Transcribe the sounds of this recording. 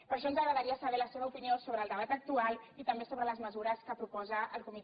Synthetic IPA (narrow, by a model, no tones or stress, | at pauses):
pəɾʃ̬ɔnzəɣɾəðəɾiəsəβɛɾləseβəupiniosoβɾəːlˠd̪əβ̞at̪ək̚t̪ualˠit̪əmbesoβɾələzməzuɾəskəpɾupɔzəʔəlˠkumit̪